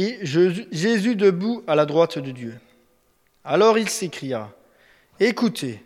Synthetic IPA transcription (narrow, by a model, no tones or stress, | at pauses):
ʒezyd̪əbualad̪ʁwat̪d̪əd̪jø | alɔʁilsekχija | ekut̪ʰe